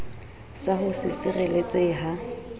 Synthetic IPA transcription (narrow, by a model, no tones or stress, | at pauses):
saɦʊsɪsɪrelet͡sʼeɦa